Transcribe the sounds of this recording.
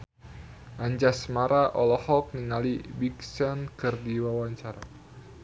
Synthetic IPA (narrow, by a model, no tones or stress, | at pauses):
ʔaɲd͡ʒasmaɾaʔɔlɔhɔk̚niŋalibiksɔnkɨrdiwawaɲt͡ʃaɾa